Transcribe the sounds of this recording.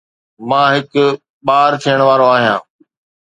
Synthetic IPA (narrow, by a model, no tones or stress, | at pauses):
mãːɦɪk | ɓaːɾt̪ʰijəɽ̃ʋaːɾoaːɦijãː